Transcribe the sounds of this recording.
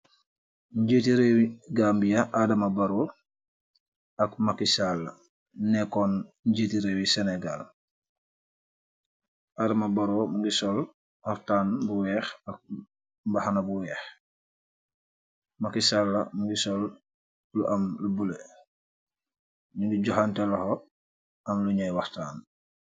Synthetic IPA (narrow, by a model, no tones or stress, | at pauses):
ɟetiɾewiɡambijaʔadɐmabaɾo | ɐkmakisalːɐ | nɛkɔnɲɟeːtiɾewisenɛɡa̰l | ʔadɐmabaɾomuŋɡisɔl | waɾtaːnbuwɛxɐk̚ | bahanabuwɛːx | makisalːɐ̰muŋɡisɔl | luʔamlubule | muŋɡiɟɔxantelɐho | ʔɐmluɲajwaɾtaːn